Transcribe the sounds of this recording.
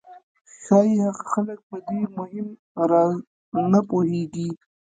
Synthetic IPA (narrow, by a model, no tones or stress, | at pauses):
xɑihaɣaxalək̚pəd̪emʊhɪm | ɾɑ | napoheɡi